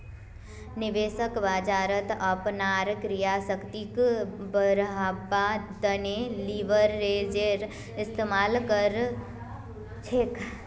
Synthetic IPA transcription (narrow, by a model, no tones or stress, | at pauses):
nɪʋeːʃəkʋaːd͡ʒaːɾət̪əpnaːɾkɾijasəkt̪ikbəɾɦabad̪əneliʋəɾːeːd͡ʒeɾ | ɪst̪eːmaːlkəɾ | t͡ʃʰek